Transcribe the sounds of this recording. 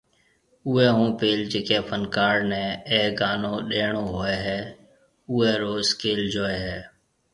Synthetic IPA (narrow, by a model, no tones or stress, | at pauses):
ʊːɛːɦũːpeːld͡ʒeːkeːpʰənkaːɾnɛ̃ːeːɡaːnõːɗeːɳoːɦoːɛːɦɛː | ʊːɛːɾoːskeːld͡ʒoːeːɦɛː